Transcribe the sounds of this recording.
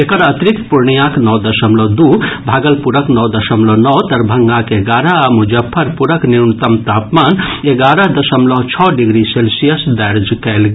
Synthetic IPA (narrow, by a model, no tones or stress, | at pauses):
ekəɾɐt̪ɾikpuɾɳijãknɔːd̪ɐsəmlɔd̪ubʱaːɡəlpuɾəknɔd̪ɐsəmlɔnɔːt̪ɐɾbʱəŋɡãkeɡaːɾaamud͡ʒɐpʰːəɾpuɾəkniɾnt̪əmt̪aːpmaːneɡaːɾəd̪ɐsəmlɔɦt͡ʃʰɔːɖiɡɾiselsijəsd̪ɛɾd͡ʒkɛlɡ